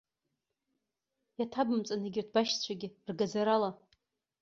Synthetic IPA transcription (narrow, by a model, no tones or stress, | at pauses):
jatʰabɨmt͡sʼanaɡʲɪtʰbaʃt͡ɕʷʰaɡʲɪrɡazaɾala